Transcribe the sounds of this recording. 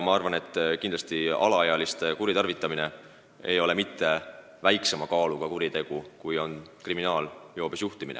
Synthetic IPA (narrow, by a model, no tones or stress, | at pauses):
mɑɑrvɑne̞t̪ːkind̪lɑst̪iɑ̰lɑɑjɑlist̪kuɾit̪ɑrvit̪ːˑɑmine̞ | ejo̞le̞mit̪ːe̞ | væjksemɑkɑːlukɑkuɾit̪e̞ɡ̥ukujo̞nkriminɑːljo̞ːbesjuht̪iminḛ